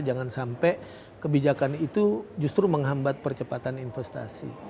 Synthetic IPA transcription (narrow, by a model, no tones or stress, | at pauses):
d͡ʒaŋansampɛ | kəbid͡ʒakanit̪ud͡ʒust̪ɾuməŋɦambat̪̚pərt͡ʃəpat̪aninfɛst̪a̰sḭ